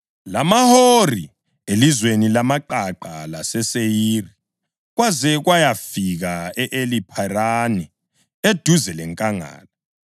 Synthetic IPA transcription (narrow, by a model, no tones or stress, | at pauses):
lamahori | elizwenilamaǃaǃalasɛsejiːri | ɣwazɛɣwajafiɣaɛʔelipʰarani | ed̥ʱuzɛlɛŋkʼaŋa̰ːla